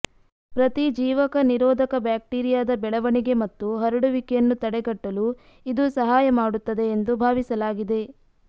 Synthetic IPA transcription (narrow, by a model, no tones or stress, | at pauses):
pɾɐt̪id͡ʒiːʋɐkɐniɾɔːd̪ʱɐkɐbjaːk̚ʈiːɾijaːd̪ɐbɛɭɐʋɐɳiɡe̞mɐt̪ːuɦɐɾɐɽuʋikɛjɐnːut̪ɐɽɛɡɐʈːɐlu | id̪usɐɦaːjɐmaːɽut̪ːɐd̪e̞ːnd̪ubʱaːʋisɐlaːɡid̪e̞